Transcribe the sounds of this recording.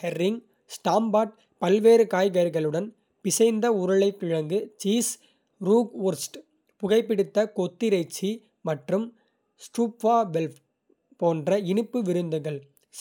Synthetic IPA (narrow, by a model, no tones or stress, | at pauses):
hɛɾːɪŋ | sʈaːmbaːʈ̚ | pɐlʋeːɾɯkaːjɣɐɾɣɐɭɯɽɐn | pɪsɐɪnd̪ɐʊɾɐɭɐɪkːɪɻɐŋɡɯt͡ʃiːs | ɾuːɡuːɾsʈ | pʊɣɐɪpːɪɽɪt̪ːɐkɔt̪ːɪɾɐɪt͡ʃːi | mɐʈrɯm | sʈuːpʋaːʋɛlf | poːndrɐɪnɯpːɯʋɪɾɯnd̪ɯɣɐɭ